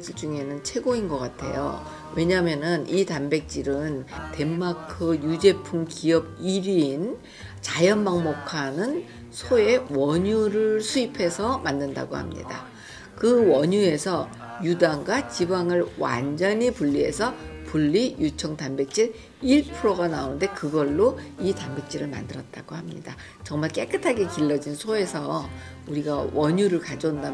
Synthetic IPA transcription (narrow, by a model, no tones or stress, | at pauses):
sʰɯd͡ʑuŋe̞nɯnt͡ɕʰe̞ɡoinɡʌk͈atʰe̞̰jo̰ | we̞ɲamjʌnɯnitambe̞k̚t͡ɕ͈iɾɯnte̞mːakʰɯjud͡ʑe̞pʰuŋkiʌb̚iɾin | t͡ɕajʌnmaŋmokʰanɯn | sʰoe̞wʌɲuɾɯɭsʰuipʰe̞sʰʌmanːɯnda̰ɡoha̰mɲḭda̰ | kɯwʌɲue̞sʰʌ | judaŋɡwat͡ɕibaŋɯɭwa̰nd͡ʑʌɲipuʎːie̞̰sʰʌpuʎːijut͡ɕʰʌŋtambek̚t͡ɕ͈iɾ | iɭpʰɯɾoɡanaonnde̞kɯɡʌɭːoitambe̞k̚t͡ɕ͈iɾɯɭma̰ndɯɾʌt̚t͈a̰ɡohamɲḭda | t͡ɕʌŋmaɭk͈e̞k͈ɯtʰaɡe̞kiɭːʌd͡ʑinsʰoe̞sʰʌ | uɾiɡawʌɲuɾɯɭkad͡ʑonda